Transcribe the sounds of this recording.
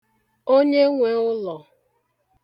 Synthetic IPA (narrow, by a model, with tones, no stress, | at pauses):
o˦ɲe˦ŋʷe˨ʊ˦lɔ˨